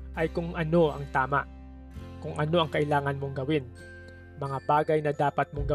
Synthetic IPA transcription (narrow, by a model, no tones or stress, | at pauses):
ʔɐjkʊŋʔɐno̞ʔɐŋt̪aːmaʔ | kʊŋʔɐno̞ʔɐŋkɐʔɪlaːŋɐnmo̞ŋɡɐwɪn | mɐŋabaːɡɐjnɐd̪aːpɐt̪̚moŋɡɐ